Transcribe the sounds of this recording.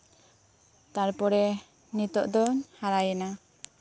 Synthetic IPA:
t̪aɾpɔɾɛ | nit̪ɔʔd̪ɔɲhaɾajɛna

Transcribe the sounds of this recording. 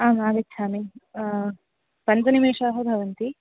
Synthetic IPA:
aːmaːʋit̪ːsʰaːmi | pɐnt͡ʃɐnimeːʂaːɦɐbʱɐʋɐnt̪i

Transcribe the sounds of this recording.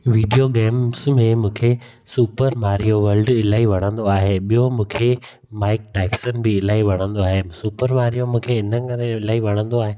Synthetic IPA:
ʋiːɖijoɡɛːmsmẽmũːkʰe | suːpəɾmaːɾijoʋɐɾlɖɪlaːiʋɐɽ̃ə̃nd̪oaːɦeɓijomũːkʰe | maːɪk̚ʈɛːksənɪ̆bɪɪlaːiʋɐɽ̃ə̃nd̪oaːɦesuːpəɾmaːɾijomũːkʰeɪnəkɐɾẽɪlaːiʋɐɽ̃ə̃nd̪oaːɦeː

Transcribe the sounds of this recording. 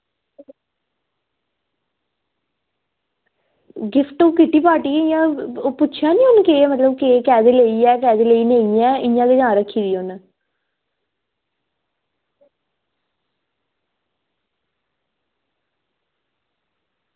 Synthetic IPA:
ɡɪfʰʈoːkɪʈːiːpaːʈiːɪjãpʊtːt͡ʃʰjaːnĩːɦʊnkemət̪ləbkeːkɛːd̪eːləiːɛːkɛːd̪eːleːiːneːiɛːɪjãːd̪eɡãːɾəkʰːiːd̪iːʊn

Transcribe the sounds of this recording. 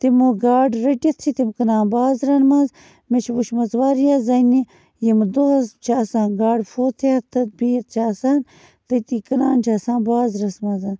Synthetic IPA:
t̪imuɡaːɖɾɐʈɐt̪ʰsʰit̪imkɐnãːnbaːzɾɐnmaːz | met͡ʃʰiʋuʃmɐzʋaːɾjaːzɐni | jimd̪oɦɐzt͡ʃʰaːsaːnɡaːɖfʰoːt̪ʰeɐt̪ʰːɐt̪̚biːjt̪̚ʰt͡ʃʰaːsaːn | t̪ɐjt̪ikɐnaːnt͡ʃʰaːsãːnbaːzɾɐsmãːzan

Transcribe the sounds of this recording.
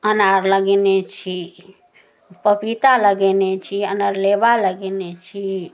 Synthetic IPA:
ənaɾləɡinet͡ʃʰi | pəpit̪aləɡɛnet͡ʃʰiənaɾlebaləɡenet͡ʃʰi

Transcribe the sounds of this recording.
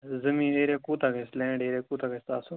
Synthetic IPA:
zəmĩːɗeːɾeːkuːt̪akeslẽːñːɖeːɾeːkuːt̪akest̪aːsu

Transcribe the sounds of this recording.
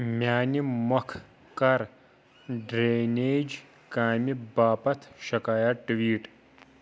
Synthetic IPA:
mʲjaːnimɐkʰ | kɐɾ | ɖɾeːneːd͡ʒ | kaːmibaːpɐt̪ʰʃɐkaːjɐʈʋiːʈ

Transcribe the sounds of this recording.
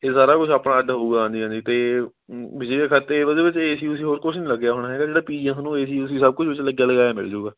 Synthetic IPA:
eːsaːɾaːkʊt͡ʃʰaːpɽaːəɖɦouːɡaãːnd̪iːãːnd̪iːt̪eː | ʋɪd͡ʒiːd̪eːkʰət̪ːeːʋəd̪eːbɪt͡ʃeːsiːʊsĩːɦoːɾkʊt͡ʃʰnĩːləɡːjaːɦoːɽaːɦɛːɡaːd͡ʒeːɽaːpiːiɛsnũːeːsiːʊsĩːsəb̚kʊt͡ʃʰʋɪt͡ʃləɡjaːləɡaːɛːmɪ̰ld͡ʒuːɡaː

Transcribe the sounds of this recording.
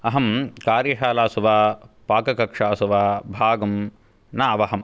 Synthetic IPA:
ɐɦɐmkaːɾjɐʃaːlaːsuʋaːpaːkɐkɐkʂaːsuʋaːbʱaːɡɐm | naːʋɐɦɐm

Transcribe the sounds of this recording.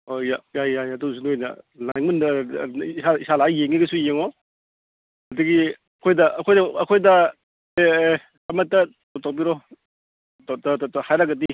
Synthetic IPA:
ojajajjajɐdusunojnɐ̰lajŋmun | saisalajeŋiɡɐsujeŋɔ | hɐdɯɡi | ɐkʰojdɐʔɐkʰojdɐɐkʰojdɐ | e | ɐmɐtːɐtawtʰawbiɾɔ | tttthajɾaɡɐdi

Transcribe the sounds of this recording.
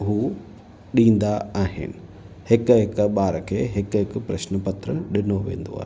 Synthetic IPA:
ɦuː | ɗĩːn̆d̪aaːɦɪ̰nɪ | hɪkɦɪkɓaːɾəkʰeːɦɪkɦɪkpɾɐ̰ʃnəpɐt̪ɾəɗɪnoʋḛ̃ːn̆d̪o̰a̰ːɦe

